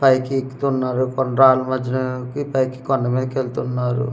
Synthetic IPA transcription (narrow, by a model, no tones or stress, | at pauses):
pɐjkikt̪unːaːɾukɔnɾaːlumɐd͡ʒːɐnɐkipɐjki̥kɔnːɐmeːkelt̪unːaːɾṵ